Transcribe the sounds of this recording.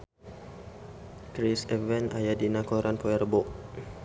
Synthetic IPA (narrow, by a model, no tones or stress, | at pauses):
kɾisɛvɛna̰jadinakoɾʔanpoɛrbɔʔ